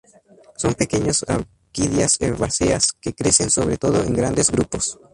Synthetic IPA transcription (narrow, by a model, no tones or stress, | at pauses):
so̞mpe̞keɲosa̰w | kiðjaseɾβaseaskekɾe̞sensoβɾet̪o̞ðoeŋɡɾand̪ezɡɾupo̞s